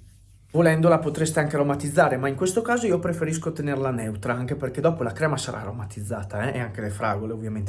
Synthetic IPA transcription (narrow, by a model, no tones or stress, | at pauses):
volɛnd̪olapot̪ɾest̪eaŋk̟eaɾomat̪id̪zːaːɾemaiŋkwest̪okaːzoiːopɾefeɾiskot̪enerlanɛwt̪ɾaaŋk̟eperked̪ɔːpolakɾɛːmasaɾa̰ːɾomat̪id̪zːaːt̪aɛʔḛaŋk̟elefɾaːɡoleovːjament̪e